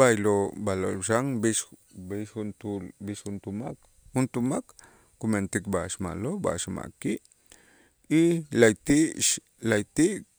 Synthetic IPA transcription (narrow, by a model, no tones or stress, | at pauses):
bajlobalo̰ʃaŋbiʃ | biʃhunt̪ulbiʃhunt̪umak | hunt̪umak | kument̪ikbaʃma̰loba̰ʃma̰ʔkiʔ | ilajt̪iʔʃ | lajt̪iʔk